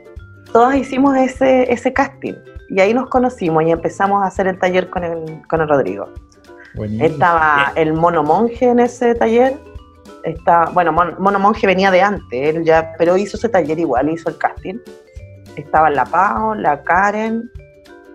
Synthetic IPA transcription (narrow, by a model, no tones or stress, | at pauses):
t̪oðasisimoseseʔesekast̪ḭniaino̞sko̞no̞simosie̞mpesamosaːse̞ɾelt̪aʝeɾkonelkonelro̞ðɾḭɣo̰ | wet̪aβaelmonomoŋxeːneset̪aʝeɾ | eht̪aβabwe̞nomonmonomo̞ŋxeβe̞niaðeant̪eelʝapeɾoisoeset̪aʝeɾiɣwalisoelkast̪in | est̪aβalapaolakaɾen